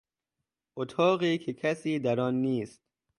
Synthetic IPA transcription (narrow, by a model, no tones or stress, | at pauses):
ʔot̪ʰɒːɣiːkʰekʰæsiːd̪æɾɒːnːiːst̪̚